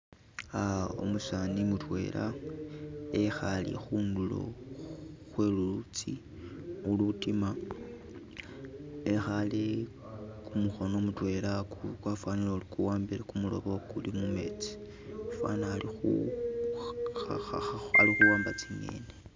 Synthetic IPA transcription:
ao̰musanimutwe̞̰ːlʔa | exalḭxuːndulo̞̰ | xwe̞lulut͡si | ulutima | exale | kumuxo̞nomutwe̞laukwafwanilolikuwaːmbilakumulo̞̰βo̞kulimume̞t͡si̥ | afwa̰naalixu | aaaalixuwaːmbat͡siŋḛne

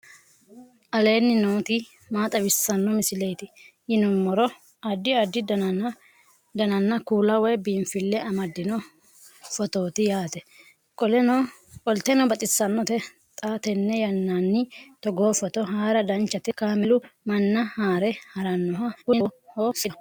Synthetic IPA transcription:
ʔɐle̞ːnːɪnoːt̪i | maːt̪ʼɐbɪsːɐnːɔmɪsɪlɛjt̪ɪ | jɪnʊmːɔɾɔ | ɐd̪ɪɐd̪ːɪd̪ɐ | d̪ɐnɐnːɐkuːlɐwɛjbiːmfɪlːɛɐmɐd̪ːɪnɔ | fɔt̪o̞ːt̪ɪjaːt̪ɛ | kʼɔlɛnɔ | kʼɔlt̪ɛnɔbɐt̪ʼɪsːɐnːɔt̪ɛ | t̪ʼaːt̪ɛnːɛjɐnːaːnːɪt̪ɔɡoːfɔt̪ɔɦaːɾɐd̪ɐnt͡ʃːɐt̪ɛkaːmɪlʊmɐnːɐhaːɾɛhɐɾɐnːɔɦɐkʊhoːsɪ

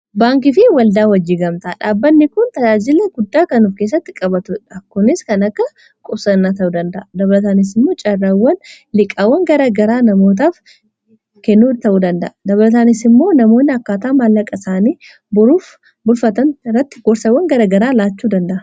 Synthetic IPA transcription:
baːŋk̬ɪfɪwɐld̪aːwɐd͡ʒːiːɡɐmt̪ɐᶑaːbːɐnːɪkʊnt̪ɐd͡ʒaːd͡ʒɪlɛɡʊd̪ːaːkɐnuːfkeːs̬ːɐt̪ːɪkʼɐbɐt̪ʊᶑɐkːʊnɪskɐnɐkːɐ | kʼʊbsɐnːaːt̪ɐʔuːd̪ɐnd̪ɐʔɐd̪ɐβɐlɐt̪aːnɪs̬ɪmːo̞ːt͡ʃʼɐrːɐwːɐn | lɪkʼːɐwːɐŋɡɐɾaɡɐɾaːnɐmo̞ːt̪̬aːf | kɛnːuːt̪ɐʔuːd̪ɐnd̪ɐ̰ʔɐd̪ɐβɐlɐt̪̬aːnɪsɪmːo̞ːnɐmo̞ːnːɪɐkːaːt̪aːmalːɐkʼɐsaːniː | bʊɾuːf | bʊlfɐt̪ɐnrːɐt̪ːɪ̥ɡɔɾsɐwːɐŋɡɐɾɐɡɐɾaːlaːt͡ʃːuːd̪ɐnd̪ɐʔɐ

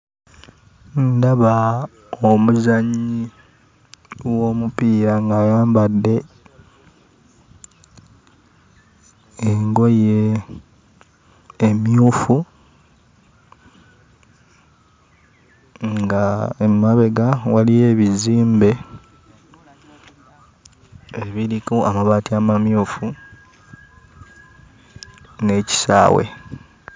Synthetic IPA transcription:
ndaβa | omuzaɲːi | wo̞mupiːɾaŋɡajaːmbadːe̞ | eŋɡo̞je | mjuːfu | ŋɡaemaβe̞ɡawalije̞βiziːmbe̞ | eβiɾikuamaβaːtiamamjuːfu | ne̞ːci̥sa̰ːwḛ

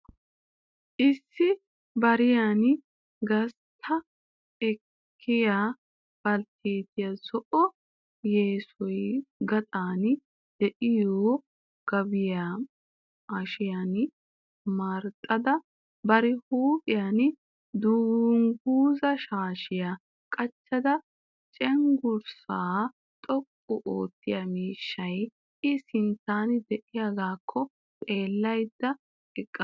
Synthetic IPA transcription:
ʔɪsːɪ | bɐɾɪjan | ɡɐs | t̪ʰːɐ | ɛkʰː | ɪjaː | b̥ɐlt̪ʰeːt̪ɪjasɔʔɔ | jeːsɔjɡɐt̪ʼaːn | d̪̥ɛʔɪjoː | ɡ̥ɐbɪjaː | ʔɐʃɪjan | maːɾt̪ʼːɐd̪ɐ | bɐɾɪhuːpʼɪjan | d̪uːŋɡuːzɐʃaːʃɪja | kʼɐt͡ʃːɐd̪ɐ | t͡ʃʼɛŋɡʊɾsaː | t̪ʼɔkʼːʊʔo̰ːt̪ːɪjamiːʃːɐj | ʔɪsɪnt̪ːaːnd̪ɛʔɪjaɡaːkʰːɔ | t̪ʼe̞ːlːɐjd̪ːɐ | ɪkʼːɐ

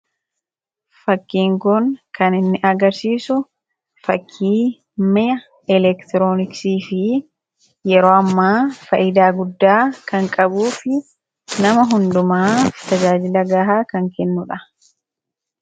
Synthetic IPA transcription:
fɐkːiːŋkʊŋkɐnɪnːɪʔɐɡɐɾsiːsʊ | fɐkʰːiː | mɪjɐ | ɛlɛkt̪ɪɾoːnɪksiːfɪ | jɛɾo̞ːɐmːaːfɐ̰ʔɪd̪aːɡʊd̪ːaːkɐŋkʼɐbuːfɪ | nɐmɐɦʊnd̪ʊmaːt̪ɐd͡ʒaːd͡ʒɪlɐɡaːɦaːkɐŋkɛnːʊᶑɐ

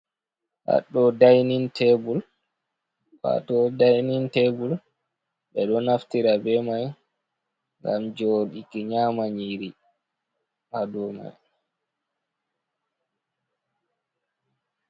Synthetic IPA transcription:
ha̰ɗɔdajnintʰɛbul | wa̰ɗɔdajnintɛbul | ɓɛɗɔnaftiɾabɛmaj | ŋɡamd͡ʒoɗikiɲaːmaɲiɾi | hadɔma̰j

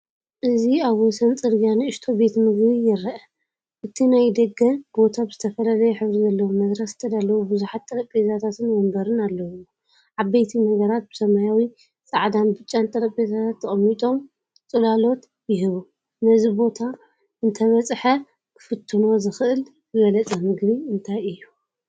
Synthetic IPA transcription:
ʔɨziaβwɔsɐnt͡sʼɨɾɡijaniɨʃt̪ʰo̞be̞t̪mɨɡβijɪɾːɐʔɐ | ʔɨt̪ʰinajd̪ɐɡɐnbo̞t̪ʰabɨz̥ɨt̪ʰɐfɐlalɐjɛħɨβɾizɐlːɐwumɐd̪ɾɐst̪ʰɐd̪alːɐwubɨzuħat̪ʼːɐɾɐkʼbet̪ʰat̪ʰat̪ʰɨnwɐmbɐɾɨnalːɐwu | ʕaβːejt̪ʰinɐɡɐɾat̪̚b̥ɨsɐmajawi | sʼaʕd̪anbɨt͡ʃʼːant̪ʼɐɾɐkʼbet̪ʰat̪ʰat̪ʰːɐχʼɐmːit̪ʼo̞m | t͡sʼɨlalo̞t̪ | jɪɦɨβu | nɐzibo̞t̪ʰa | ɨnt̪ʰɐβɐt͡sʼħɐ | kʰɨ̥fɨt̪ʰːɨno̞zɨxɨʔɨlkɨɡɐlɐt͡sʼɐmɨɡβiɨnt̪ʰajɨjːu

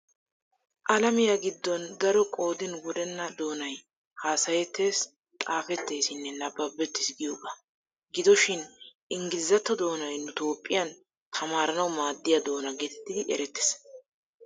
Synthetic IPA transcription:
ʔɐlɐmɪjaɡɪd̪ːɔnd̪ɐɾɔkʼo̞ːd̪ɪnwɔd̪ɛnːɐd̪o̞ːnɐj | haːsɐjɛt̪ʰːe̞ːs | t̪ʼaːfɛt̪ːe̞ːsɪnːɛnɐbɐbːɛt̪ːɪ̥sɡɪjobʼɐ | ɡɪd̪ɔʃɪnʔɪŋɡɪzːɐt̪ːɔd̪o̞ːnɐjnʊt̪o̞ːpʼːɪjɐn | t̪ʰɐmaːɾɐnɐwmaːd̪ːɪjɐd̪o̞ːnɐɡet̪ɛ̥t̪ːɪd̪ɪʔɛ̰ɾɛt̪ːɪ̥s

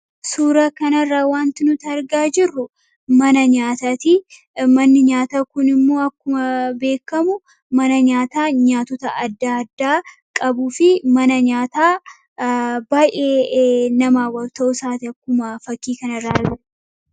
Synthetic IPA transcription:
suːɾɐkɐnɐrːaːwaːnt̪ɪnʊt̪ɐɾɡaːd͡ʒɪrːʊ | mɐnɐɲaːt̪ɐt̪ɪ | mɐnːɪɲaːt̪akʊnɪmːo̞ːɐkːʊmɐbe̞ːkːɐmʊ | mɐnɐɲaːt̪aːɲaːt̪ɔt̪ɐʔɐd̪ːaːɐd̪ːaː | kʼɐbuːfɪmɐnɐɲaːt̪aː | baːʔeːnɐmaːwɐlt̪ɐʔʊsaːt̪ɪɐkːʊmɐfɐkːiːkɐnɐrːaː

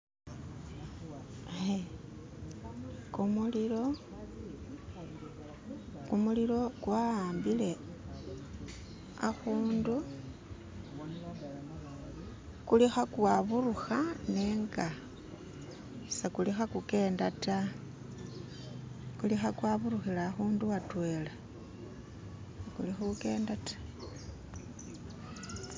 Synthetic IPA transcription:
e | kumuliɾo | kumuliɾo̞kwaaːmbile̞ | a̰xuːndu | kulixakwaβuruxane̞ːŋɡa | sekulixakuke̞ːndata | kulixakwaβuɾuxilaːxuːnduwatwe̞la | sekulixauke̞ːndatḁ

